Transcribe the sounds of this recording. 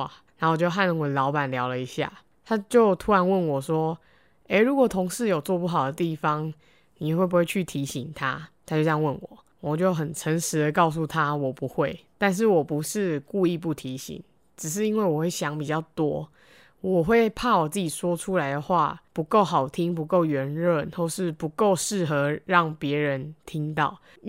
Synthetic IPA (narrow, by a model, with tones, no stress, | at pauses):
na˧˥wɔ˨˩t͡ɕjo˥˧ʊɦa˥˧nə˧˥ŋwə˨˩lɑ˧˥ʊpa˨˩nljɑ˧˥ʊlə˨˧i˧˦ɕja̰˥˩ | t̪ʰa˥t͡ɕjo˥˩ʊt̪ʰu˧˥ɻa˧˦nwə˥˩nwɔ˨˩ʂwɔ˦ | e˥˩ɪɻu˧˥kwɔ˨˩t̪ʰo˧˦ŋʂɻ̩˥˩jo˨˩ʊt͡swɔ˥˧pu˥˩xɑ˨˩d̪ə˦t̪i˥˩fɑ˦ŋ | ni˨˩˨xwe˥˩p̬u˧˥we˥˧t͡ɕʰy˥˩t̪ʰi˧˥ɕi˨˩˦ŋt̪ʰa˦t̪ʰa˥t͡ɕjo˥˧ʊjɑ˥˧ŋwə˥˩nwɔ̰˨˩˦ | wɔ˨˩t͡ɕjo˥˩ʊɦə˨˩nʈ͡ʂʰə˧˦nʂɻ̩˧˥d̪ə˧kɑ˥˧ʊs̬u˥˧t̪ʰa˦wɔ˨˩pu˧˦xwe˥˩ɪt̪a˥˧nʂ̬ɻ̩˥˩wɔ˨˩pu˧˦ʂɻ̩˥˧ku˥˧i˥˧pu˥˩t̪ʰi˨˦ɕḭ˨˦ŋ | ʈ͡ʂɻ̩˨˩ʂ̬ɻ̩˥˩i˦˥nwe˥˩ɪwɔ˨˩xwe˥˩ɪɕjɑ˧˥ŋpi˨˩t͡ɕjɑ˥˩ʊt̪wɔ˦ | wɔ˨˩xwe˥˧ɪpʰa˥˩wɔ˨˩t͡sɨ˥˩t͡ɕi˨˩swɔ˥ʈ͡ʂʰu˥la˨˧ɪd̪ə˨xwa̰˥˩pu˧˥ko˥˩ʊɦɑ˨˩ʊt̪ʰi˦˥ŋpu˧˦ko˥˩ʊɥɛ˨˧˥nɻə˥˨nxwɔ˥˧ʂɻ̩˥˩pu˧˦˥ko˥˨˧ʊʂɻ̩˥˩xɤ˧˥˦ɻɑ˥˩ŋpjɛ˧˦ɻə˧˦nt̪ʰi˦ŋt̪ɑ̰˥˩ʊ